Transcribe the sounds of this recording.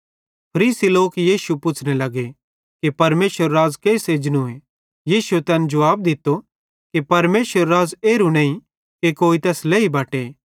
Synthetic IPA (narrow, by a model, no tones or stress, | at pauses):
pʰɐɾiːsiloːkjiːsupʊt͡ʃʰnelɐɡe | kipɐɾmeːsəɾːaːzkeːseːd͡ʒñũe | jiːsuet̪ɛːnd͡ʒɐʋaːb̚d̪ɪt̪ːo | kipɐɾmeːsəɾːaːzeːɾunɐ̃ːĩ | kekoːit̪ɛːsleːibaːʈe